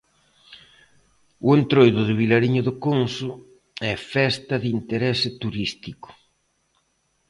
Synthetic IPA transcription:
ʊent̪ɾojðʊðɪβ̞ilaɾiɲʊðʊkonsʊ | ɛfɛst̪ɐðint̪eɾɛsɪt̪uɾist̪ikʊ̥

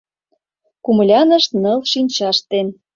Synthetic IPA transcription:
kumlʲɑnə̆ʃt̪nɤlʃinʲt͡ɕɑʃt̪en

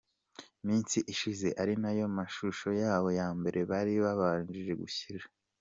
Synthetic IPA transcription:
miːnsiʔiʃize̞ʔaɾinajo̞maʃuʃo̞jaːβo̞jaːmbe̞ɾʔe̞βaɾiβaβaːnd͡ʒiʒe̞ɡuçiɾa

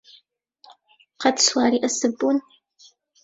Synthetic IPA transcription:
qɐtswaːɾiːʔɐsɨbun

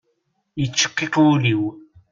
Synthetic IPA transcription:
it͡ʃːə̥qːequliw

